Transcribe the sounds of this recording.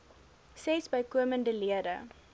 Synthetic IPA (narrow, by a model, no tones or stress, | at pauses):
sɛsbəjkuəməndəliədə̰